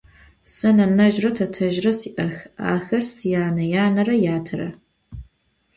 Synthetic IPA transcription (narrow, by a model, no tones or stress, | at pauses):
sɐnɐnɐʒrɐtʰɐtʰɐʒrɐsiːʔɐxa̰ːxɐrsijaːnɐjaːnɐɾɐjaːtʰɐrɐ̰